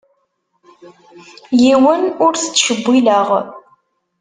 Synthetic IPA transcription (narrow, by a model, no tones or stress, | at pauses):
jiwənʊɾθə̥t͡sːʃəbʷːiləʁ